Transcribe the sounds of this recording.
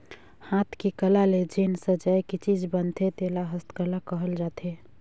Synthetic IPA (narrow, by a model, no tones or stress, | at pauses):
hat̪ʰkikəlaled͡ʒensəd͡ʒajkit͡ʃid͡ʒbənt̪ʰet̪elaɦəst̪kəlakəɦəld͡ʒat̪ʰe